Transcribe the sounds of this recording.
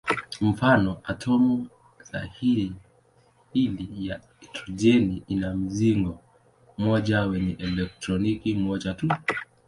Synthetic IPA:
m̩fanɔʔatʰɔmu | za̰hiɾi | ilija | tʰɔd͡ʒɛniinam̩ziŋɡɔ | mɔʄawɛɲɛʔɛlɛk̚tɾɔnikimɔʄatu

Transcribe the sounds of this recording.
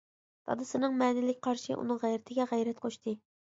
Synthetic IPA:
d̪̥ʰɑ̰d̪ɨsɨnɨŋmɛːnɪlɪkʲqʰɑɾʃɨ̰ʔṵnɨŋʁæjɾɪt̪ʰɪɡʲɛʁæjɾɛt̪qʰoʃt̪ʰɨ

